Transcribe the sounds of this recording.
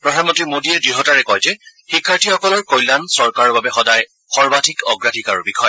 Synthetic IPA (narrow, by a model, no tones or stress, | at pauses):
pɹɔdʱanmɔ̃ntɹimodiɛdɹiɦɔtaɹɛkɔjzɛxikʰːaɹtʰixɔkɔlɔɹkojlansɔɹkaɹɔɹbabɛxɔdaj | xɔɹbatʰikɔɡɹatʰikaɹubikʰɔj